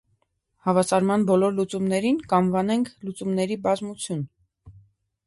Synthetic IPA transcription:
hɑvɑsɑɾmɑnbɔlɔɾlut͡sumnɛɾinkɑnvɑnɛŋkʰlut͡sumnɛɾibɑzmut͡sʰjun

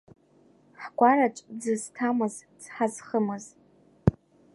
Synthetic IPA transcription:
ħɡʷaɾat͡ʃʷʼd͡zɨztʰamɨzt͡sʰħazχəmɨz

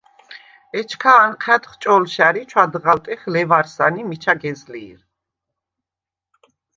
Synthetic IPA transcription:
ɛt͡ʃʰkʰaːnqʰɛd̪χt͡ʃʼɔlʃaɾit͡ʃʰwad̪ʁalt̪ʼɛχlɛvaɾsanimit͡ʃʰaɡɛzliːɾ

